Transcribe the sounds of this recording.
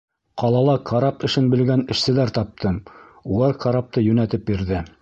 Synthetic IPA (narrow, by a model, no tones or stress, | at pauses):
qɑlˠɑlˠɑkʰɑɾɑpɘ̆ʃɘnbɘ̆lɡænɘ̆ʃsɘ̆læɾt̪ɑp̚t̪ʰɤmulˠɑɾkʰaɾɑp̚t̪ɤjʉnæt̪ɘp̚biɾðɘ